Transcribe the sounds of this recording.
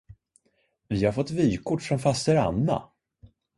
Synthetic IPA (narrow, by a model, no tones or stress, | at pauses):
vɪhaɾfɔt̪ːvyːkʰʊʈːfɾɔnfast̪ɛɾa̰nːa̰